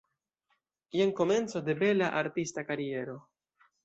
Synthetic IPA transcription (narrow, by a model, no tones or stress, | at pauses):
jeŋko̞me̞nt͡so̞de̞be̞laʔaɾtistakaɾie̞ɾo̞